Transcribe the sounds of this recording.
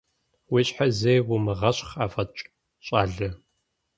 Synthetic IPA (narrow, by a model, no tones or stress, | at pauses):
weːɕħazejwʊmɨʁɐɕʼχaːfɐt͡ʃʼ | ɕʼaːɮɨ